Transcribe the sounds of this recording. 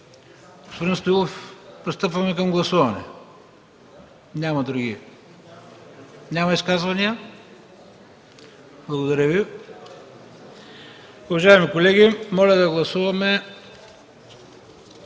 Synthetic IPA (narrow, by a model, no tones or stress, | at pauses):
ɡospod̪inst̪oiɡ̪ˠofpɾist̪ɤpvɐmɛkɐmɡlˠɐsuvɐnɛ̰ | nʲamɐd̪ɾuɡi | nʲamɐiskazvɐniə | b̥lˠɐɡod̪ɐɾəvi | uvɐʒaɛmikolɛɡʲimɔlʲɐd̪ɐɡlˠɐsuvɐmɛ